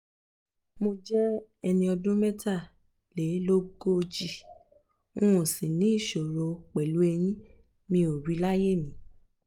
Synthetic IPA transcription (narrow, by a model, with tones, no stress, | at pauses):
mo˧d͡ʒɛ˦ | ɛ˧nĩ˧ɔ˧dũ˦mɛ˦ta˦˨ | le˨˦lo˦ɡo˦˧d͡ʒi˦˨ | õ˦ũ˨sĩ˨nĩ˨˦i˦˨ʃo˨ɾo˨k͡pɛ˨lu˨˦ɛ˧j̃ĩ˦ | mĩ˧˦o˨ɾi˨˦la˦je˦˨mĩ˨˦